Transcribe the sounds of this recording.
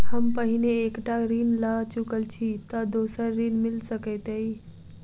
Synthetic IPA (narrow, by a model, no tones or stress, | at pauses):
həmpəɦineːkʈaɾinlat͡ʃukəlt͡ʃʰit̪əd̪osəɾːinmilsəkət̪əj